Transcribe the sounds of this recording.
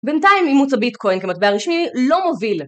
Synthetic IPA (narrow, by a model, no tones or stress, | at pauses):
bentaimimut͡sabitkʰo̞jnkemat̪̚beaʁiʃmilo̞movil